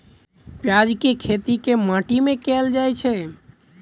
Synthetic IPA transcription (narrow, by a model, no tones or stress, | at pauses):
pjad͡ʒkekʰet̪ikemaʈimẽkɛld͡ʒajt͡ʃʰɛ